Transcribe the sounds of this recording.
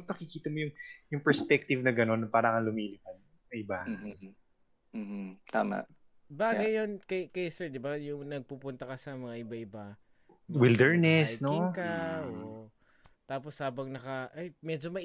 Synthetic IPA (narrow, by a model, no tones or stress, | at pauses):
snɐkɪkiːt̪ɐmojʊŋjʊŋpɛɹspɛk̚t̪ɪvnɐɡɐno̞nːɐpaːɾɐkɐlʊmiːlɪkɐn | ɐʔɪba | m̩t̪aːma̰ʔ | baːɡɐjonkɐjkɐjsɛɹd̪ɪbajʊŋnɐɡ̚pupʊnt̪ɐkɐsɐmɐŋaʔɪbaɪba | wɪld̪ɛɹnɛsnoɪŋkɐʔoʔ | t̪aːp̬oshaːbɐŋnɐkɐʔajmɛd͡ʒo̞mɐ